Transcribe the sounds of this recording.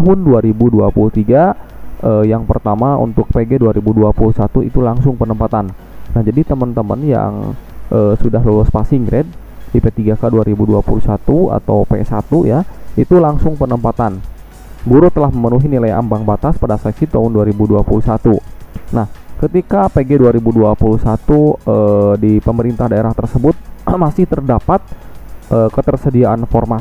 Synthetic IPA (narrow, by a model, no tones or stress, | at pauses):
ɦʊnduaɾibuduapuluht̪iɡaəːjaŋpərt̪amaṵnt̪ʊk̚peɡeduaɾibuduapulusat̪uḭt̪ulaŋsʊŋpənəmpat̪anː | ahd͡ʒadit̪əmənt̪əmə̰nja̰ŋʔəːsudaɦlolɔspasiŋɡɾɛd̚ | dipet̪iɡakaduaɾibuduapulusat̪ua̰t̪awpeɛsat̪ujait̪ulaŋsʊŋpənəmpat̪an | buɾut̪əlahməmənuɦinilaja̰mbaŋbat̪aspadasaksit̪aɦʊnduaɾibuduapulusat̪unahkət̪ikapeɡeduaɾibuduapulusat̪uədipəməɾint̪ahdaeɾaht̪ərsəbʊt̪̚masɪht̪ərdapat̪̚ʔəːkət̪ərsədiaʔanfɔrma